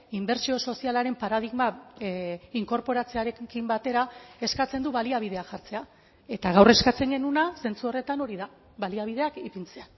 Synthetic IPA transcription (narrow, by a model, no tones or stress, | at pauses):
imbe̞ɾsio̞so̞sialaɾe̞mpaɾaðiɣma | iŋko̞ɾpo̞ɾat͡se̞aɾe̞kimbat̪e̞ɾae̞skat͡se̞nd̪uβaliaβ̞ið̞e̞axaɾt͡se̞a | e̞t̪aɣ̞awre̞skat͡se̞ŋɡe̞nunase̞nt͡suo̞re̞t̪ano̞ɾiða | βaliaβ̞ið̞e̞akipint͡se̞a